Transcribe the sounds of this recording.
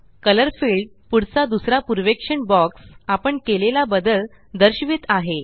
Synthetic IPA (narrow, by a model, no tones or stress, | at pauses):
kələɾfiɭɖ | puɽt͡sad̪usɾapuɾʋekʂəɳbɔksapəɳkelelabəd̪əl | d̪əɾɕʋit̪aɦe